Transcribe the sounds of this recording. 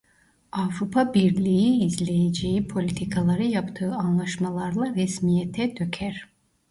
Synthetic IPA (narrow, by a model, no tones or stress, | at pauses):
avɾupʰabiɾlʲijiːzlʲe̞jed͡ʒejipʰo̞lʲit̪ʰikʰalˠaɾɯjapt̪ʰɯːanlˠaʃmalˠaɾlˠaɾɛsmijɛt̪ʰɛd̪øcʰæɾ̥